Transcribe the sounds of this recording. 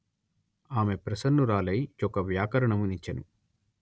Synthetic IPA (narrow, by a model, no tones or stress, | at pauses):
aːme̞pɾɐsɐnːuɾaːlɐjt͡ʃɔkɐʋjaːkɐɾɐɳɐmunit͡ʃːɐnṵ